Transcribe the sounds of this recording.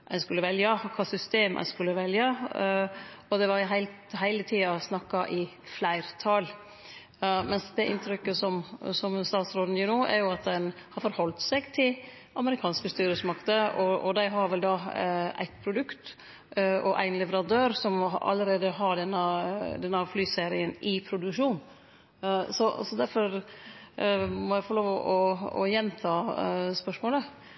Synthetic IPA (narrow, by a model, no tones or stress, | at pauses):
ʔæ̰ɪskʉlːəʋɛljɑkʰɑːsʏst̪eːmʔæ̰ɪskʉlːəʋɛljɑ | ɔd̪ɛʋɑɾɦæɪlt̪ | ɦæɪlət̪ʰiːɑsnɑkːɑʔɪ | flæɪɾt̪ʰɑl | mɛnsd̪ɛʔɪnt̪ʰɾʏkːəsɔmsɔmst̪ɑːt̪sɾoːd̪n̩jʊnoːʔæ̰ɾjʊɑt̪̚d̪ɛn | hɑɾfɔɾhɔlt̪sɛɡt̪ʰɪl | ɑməɾɪkʰɑːnskəst̪yːɾəsmɑkt̪əɔʔɔd̪æɪɦɑɾʋɛld̪ɑæ̰ɪt̪pʰɾʊd̪ʉkt̪ | ɔʔæ̰ɪnlɛʋəɾɑd̪øːɾsɔmɑ̰lːəɾeːd̪əɦɑɾɖɛnːəd̪ɛnːəflyːseːɾɪənɪpʰɾʊd̪ʉkʂuːn | sɔsɔd̪æɾfɔɾ | mɔjæɪfɔɾloːʋɔ̰ʔɔɔ̰jɛnt̪ʰɑːspœʂmoːlə